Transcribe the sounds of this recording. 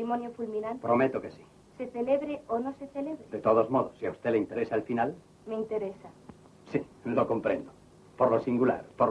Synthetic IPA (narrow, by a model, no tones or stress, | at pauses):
imonjofulmĩnanpɾomet̪okesi̥ | seθeleβɾeonõseθeleβɾed̪et̪oð̞ozmoðosːiaust̪eleint̪eɾesaelfinal | meint̪eɾesa | si | lokompɾḛ̃nd̪o | poɾlosiŋɡula̰ɾpoɾ